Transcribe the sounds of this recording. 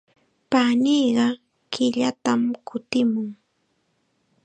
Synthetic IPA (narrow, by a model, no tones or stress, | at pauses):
paniːɢɑ | kɪʎat̪amkʰʊt̪ɪmʊŋ